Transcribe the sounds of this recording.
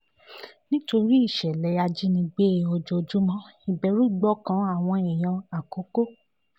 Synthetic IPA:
nĩ˦to˧ɾi˦i˦˨ʃɛ˨lɛ˨˦ja˧d͡ʒi˦nĩ˧ɡ͡be˦˨ɔ˧d͡ʒo˧d͡ʒu˦mã˦i˨bɛ˨˧˦ɾu˦˨ɡ͡bɔ˦˨kã˦a˦˨w̃ɔ̃˧i˨j̃ã˧a˨ko˨˦ko˦

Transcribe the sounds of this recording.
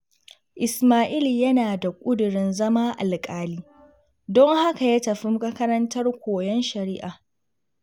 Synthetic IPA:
ʔɪ˨smaː˦ʔiː˦ljɐ˦naː˨da˨kʷʼʊ˦dʊ˨ɾɪ˦nzɐ˦maː˦ʔa˨lkʼaː˦liː˦ | dɔ˦ŋha˦ka˨jaː˦tɐ˨ɸɪ˦m˦kʼɐ˦kɐ˦ɾɐ˦ntɐ˦rkʷoː˨jɔ˦nʃɐ˨ɾiː˦ʔaː˨

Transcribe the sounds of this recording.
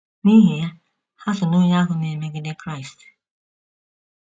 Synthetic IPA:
ni˦ɦi˨ja˦ | ha˦sʊ˨nu˦ja˦kʊ˨ne˨me˨˦ɡi˦de˦kɾa˦˨jst

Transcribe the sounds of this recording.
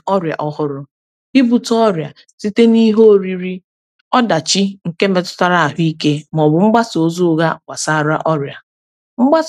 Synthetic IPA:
ɔ˦ɾja̰˨ʔɔ˦hʊ˦ɾʊ˦ | i˦bu˨tɔ˦ɾja̰˨ | si˦te˦ni˦ɦo˦˨ɾi˦ɾi˦ | ɔ˦da˨t͡ʃi˦ŋ̩˨ke˦me˦tʊ̥˦ta˦ɾa˨a˨ɦʊ˦i˦ke˦m˨ɔ˨bʊ˨ŋ͡m̩˦ɡ͡ba˦so˨zu˦ɣa˦wa˨sa˦˨ɾa˦ʔɔ˦ɾja˨ | ŋ͡m̩˦ɡ͡ba˦s

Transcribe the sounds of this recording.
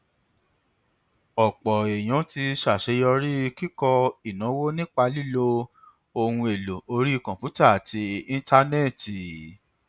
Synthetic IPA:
ɔ˨k͡pɔ˨e˨j̃ɔ̃˨˦ti˧ʃa˦˨ʃe˨˦jɔ˧ɾi˦˧ki˦kɔ˧i˨nã˨˦wo˦nĩ˦k͡pa˧li˦lo˧ | o˧hũ˧e˨lo˨o˧ɾi˦˨kɔ̃˨pju˨˦ta˦˨a˨ti˧ĩ˧ta˧ne˦˨ti˨

